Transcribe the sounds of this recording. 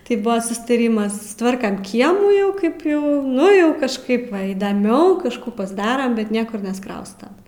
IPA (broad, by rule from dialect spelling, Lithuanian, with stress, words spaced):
tɐɪ ˈbʊʋoː sʊstɐˈrʲiːmɐs sʊsˈtʋɐrkɐm ˈkʲiɛmuː ˈjɛʊ ˈkɐɪp ˈjɛʊ ˈnʊ ˈjɛʊ kɐʃˈkɐɪp ˈʋɐ iːdɐˈmʲɛʊ kɐʃˈkuː pɐzˈdɑːrɐm bʲɛt ˈnʲiɛkʊr nʲɛsˈkrɐʊstɐ